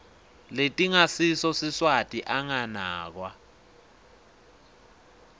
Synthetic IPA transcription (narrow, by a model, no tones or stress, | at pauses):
letʼiŋasisɔsiswatʼiʔaŋanaːk̬wa